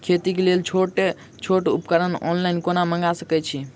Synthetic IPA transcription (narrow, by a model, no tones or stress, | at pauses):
kʰet̪ikelelt͡ʃʰoʈe | t͡ʃʰoʈṵpkəɾənɔ̰nlajnkonaməŋɡasəkɛt͡ʃʰi